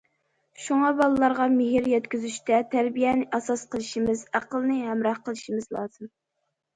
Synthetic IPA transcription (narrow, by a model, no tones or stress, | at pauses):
ʃuŋɑbɑlˠlːˠɑɾʁɑmɪɦɪɾjɛt̪kʲyzyʃt̪ɛt̪ʰæɾbijɛnɪʔɛsɑsqəlˠɨʃimɪzæqəlˠnɨɦɛmɾɑχqəlˠɨʃimɨzlˠɑːz̥ɨm